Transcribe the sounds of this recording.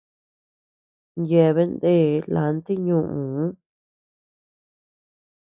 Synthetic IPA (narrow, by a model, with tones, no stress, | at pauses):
nje˧˨βe˦nd̪e˦˨˦la̰˨˦nt̪i˦ɲũ˧ʔũ˨˦